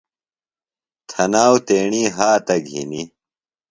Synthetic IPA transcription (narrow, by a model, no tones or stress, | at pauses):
t̪ʰɐnaːwt̪eːɳiːɦaːt̪ɐɡʱḭni